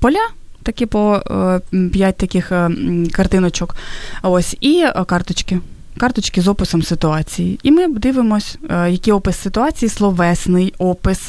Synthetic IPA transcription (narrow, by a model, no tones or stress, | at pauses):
pɔlʲa | t̪ɐkʲɪpɔ | pʲjat̚ʲt̪ɐkʲɪxkɐrt̪ɪnɔt͡ʃɔkosʲikɑrt̪ɔt͡ʃkɪ | kɑrt̪ɔt͡ʃkɪzɔpɪsɔmsɪt̪ʊɑt͡sʲijiimɪd̪ɪʋɪmɔsʲjɐkɪjɔpɪsːɪt̪ʊɑt͡sʲijislˠɔʋɛsnɪjɔpɪs